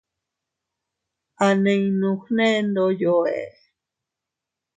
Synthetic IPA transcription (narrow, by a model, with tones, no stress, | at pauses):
a˨nẽ˨ĩnũ˧xnẽ˦nd̪o˧jo˨ḛ˨